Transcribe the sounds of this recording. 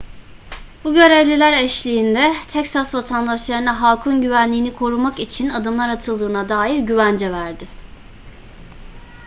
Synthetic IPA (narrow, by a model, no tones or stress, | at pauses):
buɟø̞ɾevlʲilʲæɾɛʃlʲiːnd̪ɛt̪ʰɛcsasvat̪ʰand̪aʃlˠaɾɯnaɦalˠkʰunɟyvænlʲiːnikʰo̞ɾumakit͡ʃʰinad̪ɯmlˠaɾat̪ʰɯlˠd̪ɯːnad̪aːjiɾɟyvænd͡ʒɛvæɾd̪ɪ